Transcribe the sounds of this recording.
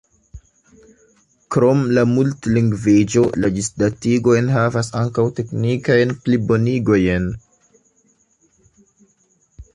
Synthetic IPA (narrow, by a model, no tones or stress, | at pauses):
kɾo̞mlamultliŋɡvid͡ʒo̞laɡisdatiɡo̞jnɦavasaŋkawte̞knikajnplibo̞niɡo̞jn